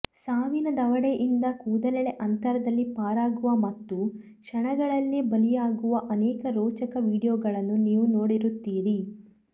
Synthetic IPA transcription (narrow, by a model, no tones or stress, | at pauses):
saːʋinɐd̪ɐʋɐɽeʔind̪ɐkuːd̪ɐlɛɭeʔɐnt̪ɐɾɐd̪ɐlːipaːɾaːɡuʋɐmɐt̪ːukʂɐɳɐɡɐɭɐlːebɐlijaːɡuʋɐʔɐnɛːkɐɾɔːt͡ʃɐkɐʋiːɽijɔːɡɐɭɐnːuniːʋunoːɽiɾut̪ːiːɾi